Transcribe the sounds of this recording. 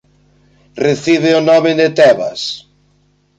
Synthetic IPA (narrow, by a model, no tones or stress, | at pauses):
reθiβeonɔmeðet̪ɛβa̰s